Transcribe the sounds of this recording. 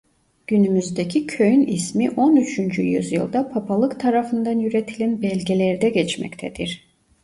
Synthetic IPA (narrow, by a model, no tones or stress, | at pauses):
ɟ̥ynymyzd̪ecʰicʰøjynismiʔonyt͡ʃʰynd͡ʒyjy̰zjɯlˠd̪apʰapʰalˠɯkt̪ʰaɾafɯnd̪anjyɾet̪ʰilʲænbɛlʲɟelʲɛɾd̪ɛɟɛt͡ʃmɛ̰ct̪ʰɛd̪iɾ̥